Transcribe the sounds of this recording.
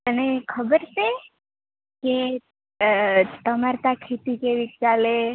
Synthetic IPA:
t̪ənekʰəbəɾt͡ʃe | ke | t̪əmaɾt̪akʰet̪ikeʋik̚t͡ʃale

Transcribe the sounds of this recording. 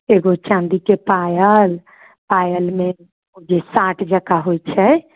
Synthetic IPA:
eɡot͡ʃãnd̪ikepajəl | pajəlme | od͡ʒesaʈʰd͡ʒəkaɦojt͡ʃʰɛ

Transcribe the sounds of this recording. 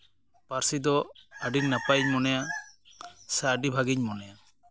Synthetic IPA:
paɾsid̪ɔaɖiɲnapajɲmɔnɛja | saːɖibʱaɡiɲmɔnɛja

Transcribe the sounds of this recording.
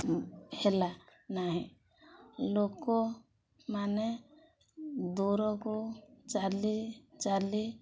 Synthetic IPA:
helanaɦɛ̃ | loːɡko | mane | d̪oːɾɔ̃kot͡ʃaːlit͡ʃali

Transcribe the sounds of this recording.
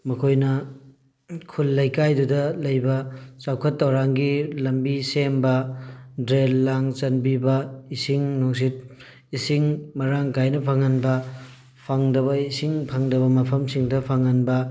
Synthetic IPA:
mɐkʰojnɐ | kʰulːɐjkajdudɐlɐjbɐt͡ʃawkʰɐtːɐwɾaŋɡilɐmbisembɐdɾelːaŋt͡ʃɐnbibɐisiŋnoŋs̬it̚ | isiŋmɐɾaŋkajnɐpʰaŋɐnbɐ | pʰaŋdɐβɐisiŋpʰaŋdɐbɐmɐpʰɐmsiŋdɐpʰaŋɐnbɐ

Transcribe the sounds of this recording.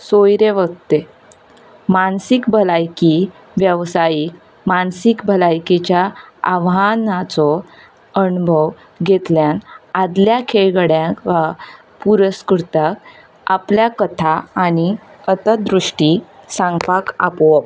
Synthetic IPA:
sojɾeʋəɡ̚t̪e | mansikbʱəlajki | ʋjəʋsajik | mansikbʱəlajket͡ɕjaaʋɦanat͡sɔ | ənbʱəw | ɡʱet̪ljãnad̪ljakʰeɭɡəɽjãkʋa | puɾəskuɾt̪ak | a̰pljakət̪ʰaːni | ət̪əd̪ɾuʂʈisãŋɡpaka̰pʋə

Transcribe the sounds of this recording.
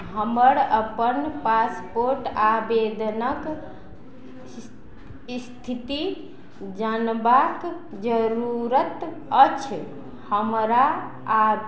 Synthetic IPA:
ɦəməɾəpənpaspoɾʈabed̪nək | st̪ʰit̪i | d͡ʒanbak | d͡ʒəɾuɾət̪ | ət͡ʃʰ | həmɾa | a

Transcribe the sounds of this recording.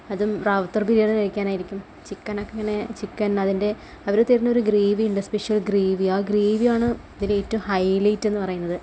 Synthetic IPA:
ɐðumraːʋɐt̪ːɐrbiɾijeɽɐɻikʲːaːnaːjiɾikʲːum | t͡ɕikːɐnɐkːeŋːɐne̞t͡ɕikːɐnɐðinde̞ | ɐʋɐɾet̪ːiɾinːɐo̞ɾuɡriːʋiiɳɖɐspeʂijɐlɡriːʋiaːɡriːʋijaːɳɨɐðileeːtːɐumhɐjlijtːe̞nːɨpɐrɐjunːɐðɨ

